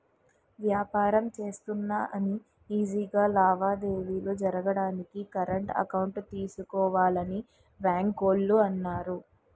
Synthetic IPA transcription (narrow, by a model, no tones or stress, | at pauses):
ʋjaːpaːɾɐmt͡ʃe̞ːst̪unːaːʔɐni | iːd͡ʒiːɡaːlaːʋaːd̪e̞ːʋiːlud͡ʒɐɾɐɡɐɽaːnikikɐɾɐɳʈɐ̰kɐwɳʈt̪iːsukɔːʋaːlɐni | baːŋkoːlːuɐnːaːɾu